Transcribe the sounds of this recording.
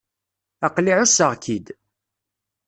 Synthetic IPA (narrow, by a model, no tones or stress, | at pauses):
æqliʕʊsəʁkʰid̪